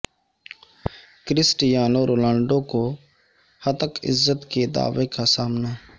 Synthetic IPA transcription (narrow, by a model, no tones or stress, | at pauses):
kɾɪsʈɪjaːnoːɾʔoːlãːɳɖõːkoː | hət̪əkɪ̰zːət̪keːd̪a̰ːʋeːkaːsaːmnaː